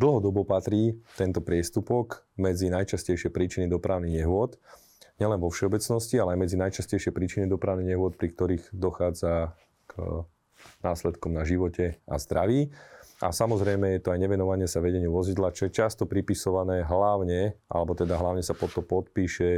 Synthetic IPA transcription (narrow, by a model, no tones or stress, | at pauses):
d̪l̩ɦɔd̪ɔbɔpat̪ɾiːt̪ɛnt̪ɔpɾɪɛst̪upɔkmɛd͡zinajt͡ʃascɛjʃɪɛpɾiːt͡ʃinid̪ɔpɾaʊniɣɲɛɦʊɔt̪ | ɲɛlɛnʋɔfʃɛɔbɛt͡snɔscialɛajmɛd͡zinajt͡ʃascɛjʃɪɛpɾiːt͡ʃinid̪ɔpɾaʊniɣɲɛɦʊɔt̪̚pɾik̚t̪ɔɾiːɣd̪ɔxaːd͡za | k | naːslɛt̪kɔmnaʒiʋɔcɛa̰zd̪ɾaʋiːa̰samɔzɾɛjmɛjɛt̪ɔajɲɛʋɛnɔʋaɲɪɛsaʋɛɟɛɲɪuʋɔzid̪lat͡ʃɔjɛt͡ʃast̪ɔpɾipisɔʋanɛːɦlaʊɲɛʔa̰lɛbɔt̪ɛd̪aɦlaʊɲɛsapɔt̪ɔpɔt̪̚piːʃɛ